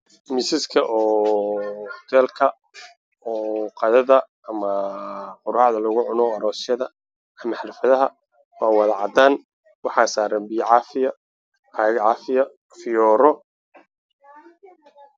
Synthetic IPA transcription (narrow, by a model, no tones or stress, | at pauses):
mɪsɪskʰɐʔɔː | t̪ʰɛːlkʰɐ | ɔːqɑðɐðɐ | ɐmɐqʊɾaːʕðɐlɔɣʊʕʊnɔɐɾɔːsjɐðɐ | ɐmɑħɾɪfɐðɐɦɐ | wɑːwɑðɑʕɑd̪aːn | wɑħɑːsaːɾɐmbiːʕɑfɪjɐ | ɐɣʕɑːfɪjɐ | fɪjɔːɾɔ